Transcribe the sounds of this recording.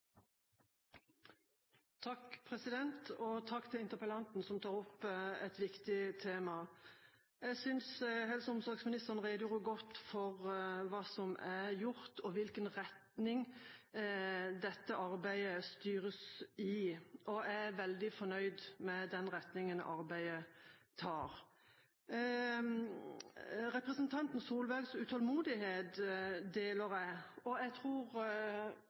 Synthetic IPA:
t̪ʰɑkpʰʁɛsɪd̪ɛnt̪ɔt̪ʰɑkːt̪ʰɪlɪnt̪əɾpəlɑnt̪n̩sɔmt̪ʰɑːʁɔpːɛt̪ʋɪkt̪ɪt̪ʰeːmɑ | ɛɡsʏnsɦɛlsəʊmsɔɾɡsmɪnɪst̪əʁn̩ʁeːd̪əjuːʁʊɡɔt̪ːfɔʁʋɑːsɔmæjʊɾt̪ʰɔʋɪlkənʁɛt̪nɪŋ | d̪ɛt̪ːəʔɑɾbæɪəst̪yːɾəsɪʔɔææʋɛld̪ɪfɔnœʏd̪mɛd̪ɛnɾɛt̪nɪŋənʔɑɾbæɪət̪ʰɑːɾ | ɾɛpɾʁəsənt̪ʰɑnt̪n̩suːlbæɾɡsʉt̪ʰɔlmuːd̪ɪheːt̪d̪eːləɾæɪɔɛɡt̪ʰʁuːɾ

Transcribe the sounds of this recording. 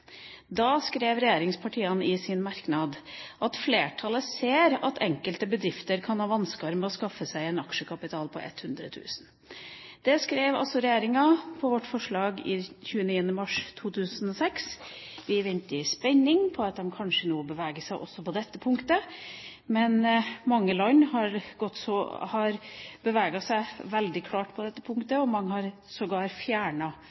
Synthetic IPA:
d̪ɑskɾeːʋɾɛjeːɾɪŋspʰɑʈʰiːɑnɪsɪnmɑɾknɑd̪ʔɑt̪fleːʈʰɑləseːɾɑt̪ʰɛŋkəlt̪əbəd̪ɾɪft̪əɾkʰɑnhɑːʋɑnskəɑɾmɛɔskɑfːəsæɪɛnɑkʃəkʰɑpɪt̪ʰɑːlpʰɔ̰ʔɛ̰t̪hʉnd̪ɾə̰t̪ʰʉ̰ːsn | d̪̥ɛskɾeːʋɑ̰lsɔɾɛjeːɾɪŋɑpʰɔʋɔʈːfɔʂɭɑːɡɪ̰çʉːəniːənəmɑʂt̪ʰuːt̪ʰʉːsən̩ɔsɛks | ʋɪʋɪnt̪ɪspɛɲːɪŋpʰɔɑt̪̚d̪ɛmkʰɑnʂənuːəbəʋæːɡəsæɪʔɔ̰sːɔpɔd̪ɛt̪ːəpʰʊŋkt̪ə | mɛnmɑŋːəlɔnhɑɾɡ̥ɔt̪ːsɔhɑɾbəʋæːɡɑsæɪʋɛld̪ɪkʰlɑːʈpʰɔd̪ɛt̪ːəpʰʊŋkt̪əɔmɑŋːəhɑɾ | sɔɡɑːɾfjæːɳɑ

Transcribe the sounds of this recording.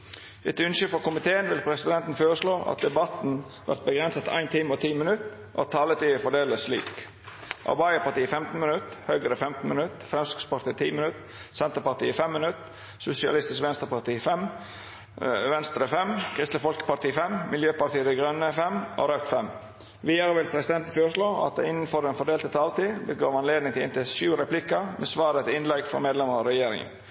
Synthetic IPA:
ɪt̪ʉnsʏfɔɾkʊmɪt̪ʰeːənʋɪlpʰɾɛsɪd̪ɛnt̪n̩føːɾəsloːʔɑ̰t̪̚d̪ɛbɑt̪n̩ | ʋæ̰ɾt̪̚bəɡɾɛnsət̪ʔæ̰ɪnt̪ʰiməot̪ʰiːmɪnʉt̪ | ʔt̪ʰːɑːlət̪ʰiːəfɔɖeːləslḭːk | ʔɑ̰bɑɪəpɑt̪iːəfɛmt̪n̩mɪnʉt̪hœːɡəɾəfɛmt̪n̩mɪnʉt̪fɾɛmsʏ̥kspɑɾʈ̪ʰiːt̪ʰiːmɪnʉt̪ | sɛnt̪əpɑt̪ḭːəfɛmːɪnʉt̪ | sʊsɪɑ̰lɪst̪ɪskʋɛnst̪əpɑt̪iːfɛm | ʋɛnst̪ɾəfɛmkʰɾɪst̪ləfɔlkə̥pɑʈ̪iːfɛmmɪljøːpɑʈ̪iːəd̪ɪɡɾœnːəfɛmo̰ːɾœt̪fɛm | ʋiːəɾəʋɪlpʰɾɛsɪd̪ɛnt̪n̩føːʂloːɑ̰t̪̚d̪ɛ̰ɪnn̩fɔɾɛnfɔɖeːlt̪ʰət̪ʰɑlt̪iːbəɡɑːʋɑnleːd̪nɪŋt̪ʰɪlɪ̰nt̪ɪʃʉːɾɛplɪkəɾmʔɛːsʋɑːɾət̪ɪɪnlɛɡfɾɔ̰meːd̪lɛməɾɑɾɛjeːɾɪ̰ŋə̰n

